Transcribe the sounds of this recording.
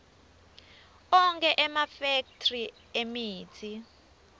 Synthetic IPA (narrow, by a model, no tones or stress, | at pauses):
ɔŋkʰʼɛʔɛmafek̚tʰri | emiːtʰi